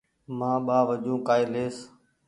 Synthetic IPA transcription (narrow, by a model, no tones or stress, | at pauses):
mãːɓaːʋəd͡ʒũːkaːɪːleːs